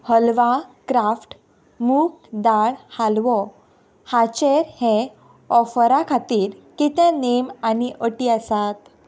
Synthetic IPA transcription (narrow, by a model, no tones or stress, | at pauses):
həlʋakɾafʈ | muːkd̪aɭhalʋɔ | hat͡ɕeɾhɛ̃ | ɔfɾakʰat̪iːɾkit̪ẽnemaniʔəʈiəsat̪